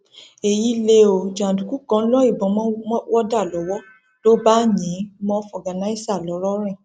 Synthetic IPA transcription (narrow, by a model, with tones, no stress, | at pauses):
e˨ji˦le˧˦o˨d͡ʒã˨du˨ku˦kã˨˦lɔ˦i˦˨bɔ̃˨m˦wɔ˦da˦˨lɔ˨˦wɔ˦ | to˦ba˦ɲĩ˨˦mɔ̃˦fɔ˨ɡa˨na˨˦i˦sa˦˨lɔ˨˦ɾɔ˦ɾ̃ɛ̃˦˨